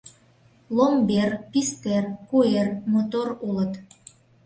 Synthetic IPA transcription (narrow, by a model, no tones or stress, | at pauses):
lomberpist̪erkuermot̪orulət̪